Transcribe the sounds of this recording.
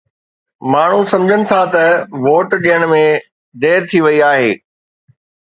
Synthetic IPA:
maːɳ̤usɐ̃md͡ʑʱənɪ̆t̪ʰat̪ɐʋoːʈɗijəɽ̃mẽ | d̪eːɾt̪ʰiʋɐiaːɦeː

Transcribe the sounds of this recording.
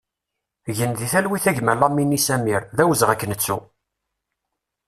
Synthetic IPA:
ʝənðiθælwiθæʝmælɑmːinisæmiɾðæwəzʁækːənət͡sːu

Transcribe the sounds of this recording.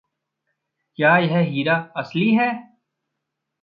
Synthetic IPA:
kjaːjɐɦɛɦiːɾaːɐsliɦɛː

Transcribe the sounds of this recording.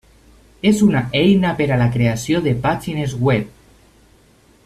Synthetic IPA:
ezunaʔejnapeɾalakɾeasjoðepat͡ʃinezɣwep̚

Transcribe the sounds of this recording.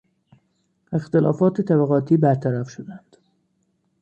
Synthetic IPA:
e̞xt̪elɒ̰ːfɒːt̪ʰet̪ʰæbæɣɒːt̪ʰiːbæɾt̪ʰæɾæfʃod̪ænd̪̥

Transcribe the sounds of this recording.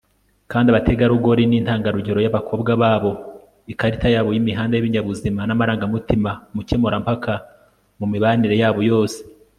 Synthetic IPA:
kaːndiaβatʰe̞ɡaɾuɡo̞ɾinin̥haːŋɡaɾuɟeɾojaβakʰo̞ːbɡaβaːβo̞ | ikaɾitajaːβojimiɦaːndejiβiɲaβuzimanamaɾaːŋɡamutimamuce̞moɾampakʰa | mumiβaniɾe̞jaːβo̞jo̞ːse̥

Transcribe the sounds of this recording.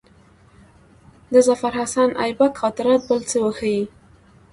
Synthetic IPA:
d̪əzafaɾɦasanʔa̰jbakxɑt̪ɪɾɑt̪̚bəlt͡səwəxaji

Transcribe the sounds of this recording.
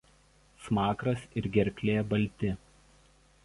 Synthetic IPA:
smɑːkɾɐsɪɾɡʲɛɾʲkʲlʲeːbɐlʲˑt̪ʲɪ

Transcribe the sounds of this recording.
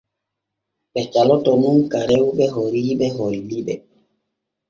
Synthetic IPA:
ɓɛt͡ʃalɔtɔmunkaɾɛwɓɛɦoɾiɓɛɦolːiɓɛ

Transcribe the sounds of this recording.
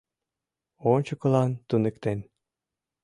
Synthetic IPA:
onʲt͡ɕɤ̆kɤ̆lˠɑnt̪unɘ̆kt̪en

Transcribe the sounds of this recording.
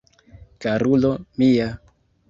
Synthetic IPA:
kaɾulomija

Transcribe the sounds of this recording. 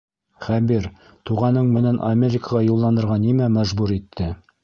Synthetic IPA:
χæbiɾ | t̪uʁɑnɤɴmɘ̆nænʔamʲeɾʲɪkəʁɑjulˠːɑnd̪ɤ̆ɾʁɑnimæmæʒbuɾit̪ʰːɘ

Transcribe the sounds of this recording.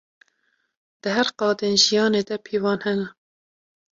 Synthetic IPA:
d̪̥ɨɦæɾqɑːd̪eːnʒijɑːneːd̪ɛpʰiːvɑːnhɛnɛ

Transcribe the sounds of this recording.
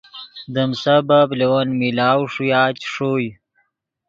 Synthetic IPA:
d̪əmsabablewɐnmilaːwʂujaːt͡ɕʂoːj

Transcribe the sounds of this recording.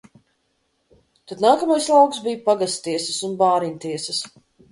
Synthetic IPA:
t̪ad̪naːkamajslˠawksbijpaɡast̪t̪iɛsɐsunbaːɾinʲt̪iɛsɐs

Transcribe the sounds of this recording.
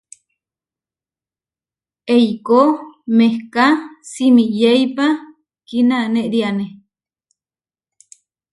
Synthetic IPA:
ejkomehkasimijejpa | kinaneʔɾiane

